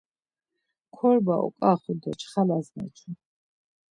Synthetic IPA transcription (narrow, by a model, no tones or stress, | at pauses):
kʰɔɾbaʔɔ̰kʼaχuld̪ɔt͡ʃʰχalaznɛ̰t͡ʃʰu